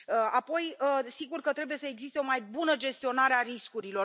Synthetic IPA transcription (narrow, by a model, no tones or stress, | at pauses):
əapo̞jəsiɡurkət̪ɾe̞bujesəe̞ɡzist̪eo̞majbunəd͡ʒe̞st̪io̞naɾeaɾiskuɾilo̞